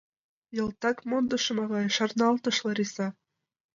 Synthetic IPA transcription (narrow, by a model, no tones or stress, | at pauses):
jɤ̆lt̪ɑkmond̪ɤ̆ʃɤ̆mɑɣɑjʃɑrnɑlt̪ɤ̆ʃlɤ̆ɾisɑ